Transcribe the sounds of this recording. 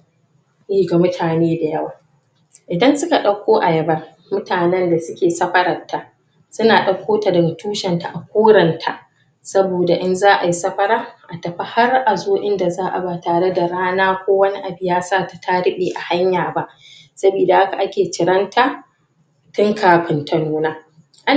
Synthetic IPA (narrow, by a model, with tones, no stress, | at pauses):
ʔeː˦ɡa˨mʊ˦tʰaː˨neː˦da˨jɐ˦waː˨ | ʔɪ˨dɐ˦nsʊ˦ka˨ɗɐ˦kʷoː˦ʔa˨jɐ˨bɐ˦r | mʊ˦tʰaː˨nɛ˦nda˨sʊ˦kʲeː˨sɐ˦ɸɐ˦ɾɐ˨rtʰːaː˨ | sʊ˦naː˨ɗɐ˦˨kʷoː˦ta˨dɐ˨ɡa˨tuː˦ʃɛ˨nta˨ʔa˨kʷoː˦ɽɐ˨ntʰa˦ʔ | sɐ˦boː˨da˨ʔɪ˦nzaː˦ʔa˨ji˦sɐ˦ɸɐ˦ɾaː˦ʔa˨tɐ˨ɸa˦ha˦rʔa˨zoː˦ʔɪ˦nda˨zaː˦ʔa̰˨ba˦taː˨ɽe˦da˨ɾaː˦naː˦kʷoː˦wɐ˦ni˦ʔa˨bɪ˦jaː˦saː˦ta˨tʰa˦ɾɪ˦ɓeː˨ʔa˨ha˦ɲjaː˨ba˦ʔ | sɐ˦biː˨da˨ha˦ka˨ʔa˦kʲeː˨t͡ʃɪ˨ɾɐ˦ntʰaː˦ | tʊ˦ŋkʰaː˨ɸɪ˨ntʰɐ˨nuː˦naː˦ | ʔa˦